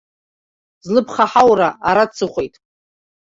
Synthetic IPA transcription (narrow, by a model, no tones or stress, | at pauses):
zlɨpʰχaħawraaɾat͡sʰɨχʷejtʼ